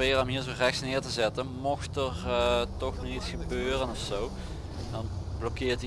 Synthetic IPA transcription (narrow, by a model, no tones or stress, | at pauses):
ɪːɾəɔmɦiːɹzorɛxsnɪːɹtəzɛtənmɔxtəɹtɔxnɔxitsxəbøːrənɔfsow | dɑnb̥lɔkɪːɹti